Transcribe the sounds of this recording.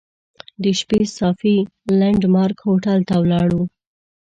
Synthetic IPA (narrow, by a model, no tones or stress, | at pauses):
d̪əʃpesɑfi | laɳɖmɑɾkhoʈalt̪awlɑɽu